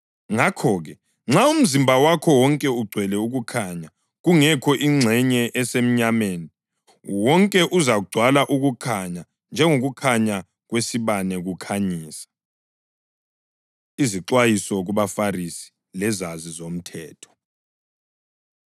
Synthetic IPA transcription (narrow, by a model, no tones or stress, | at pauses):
ŋakʰɔːɣɛ | ŋ͡ǁaum̩zimbʱawakʰɔwɔŋkʼɛuɡ͡ǀʱwɛlɛuɣukʰaɲa | ɣuŋɛkʰɔʔiŋ͡ǀʱɛɲɛʔɛsem̩ɲameːni | wɔŋkʼɛʔuzaɣuɡ͡ǀʱwalaʔuɣukʰaɲa | nd͡ʒʱɛŋoɣukʰaɲa | ɣwesiβanɛɣukʰaɲiːsḁ | iziǁwajisɔɣuβafarisi̥ | lɛzazizom̩tʰɛːtʰɔ̥